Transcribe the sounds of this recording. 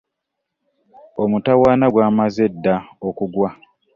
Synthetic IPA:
omutawaːnaɡwaːmaze̞dːaokuɡwa

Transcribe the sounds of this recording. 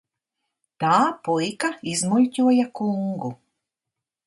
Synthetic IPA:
t̪aːpɔjkaizmulʲcʲuɔjakuŋɡu

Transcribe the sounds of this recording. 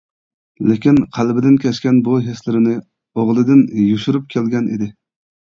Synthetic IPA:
lɪkʲinqʰælbɪd̪ɪnkʲʰɛʃkʲɛnbuɦeslɪɾɪnɪ | oʁlˠɨd̪ɪnjuʃuɾup̚kʲʰelɡʲɛnḭd̪ɪ

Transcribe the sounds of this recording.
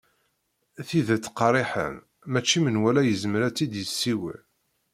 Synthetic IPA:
θiðæt͡sːqɑrˤiħə̰m | mæt͡ʃːimənwælæjəzməɾæt͡s̪ːid̪jəsːiwə̰

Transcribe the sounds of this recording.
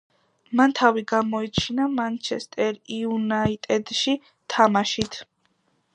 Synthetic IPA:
mant̪ʰaviɡamɔit͡ʃʰinamant͡ʃʰɛst̪ʼɛɾiunait̪ʼɛd̪ʃi | t̪ʰamaʃit̪ʰ

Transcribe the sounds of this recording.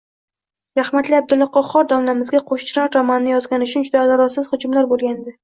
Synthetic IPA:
ɾahmat̪lɪab̚d̪ʊlːɒqɒχɒɾd̪ɒmlamɪzɡʲaqʰoʃt͡ʃʰɾɒnɾamannɪjɒzɡʲanɪʃʰʊnd͡ʒʊd̪aːd̪aɾɒsɪz̥hʊd͡ʒʊmlaɾbolɡʲand̪ɪ

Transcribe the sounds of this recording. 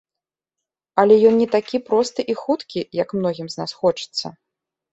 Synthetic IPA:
ɐlʲɛjɔnnʲɛt̪akʲipɾɔst̪ɨʔixut̪kʲijɐkmnɔɣʲimznasxɔt͡ʂɨ̥t̪sːɐ̰

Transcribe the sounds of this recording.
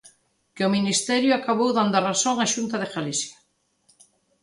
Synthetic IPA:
kɪʊminist̪ɛɾjʊakaβowðand̪ʊarasoŋaʃunt̪ɐðeɣalisja

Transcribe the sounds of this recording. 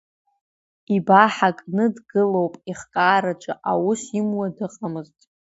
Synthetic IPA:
ibaħakʼnɨdɡɨlowpʼiχkʼaːɾat͡ʃʷʼa̰ʔawusimwadɨqʼamɨztʼ

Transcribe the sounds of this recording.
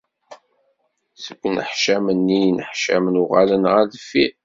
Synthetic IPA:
səɡːnə̰ħʃæmənːinəħʃæ̰mnʊʁalənʁæðəfi

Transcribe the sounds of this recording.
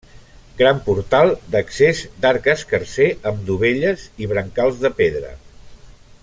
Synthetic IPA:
ɡɾampuɾt̪alˠd̪əksezd̪aɾkəskəɾseəmd̪uβeʎəziβɾəŋkalˠzðəpeðɾə̰

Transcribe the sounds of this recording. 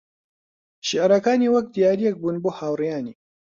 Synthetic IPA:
ʃiʔɾɐkaːniːwɐk̚d̪ijaːɾijɛk̚buːnboːhaːwrijaːniː

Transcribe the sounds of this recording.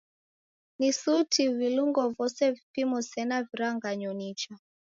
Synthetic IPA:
nisutʰiviluŋɡɔvɔsɛvipimɔsɛnaviɾaŋɡaɲɔnit͡ʃa

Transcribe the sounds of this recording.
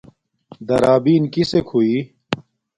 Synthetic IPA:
d̪ɐɾaːbiːnkisekʰhuiː

